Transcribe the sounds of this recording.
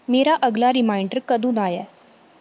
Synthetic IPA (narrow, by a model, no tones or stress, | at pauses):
meːɾaʔəɡlaɾɪmaːɪɳɖəɾkəd̪ʱũːnaːjɛː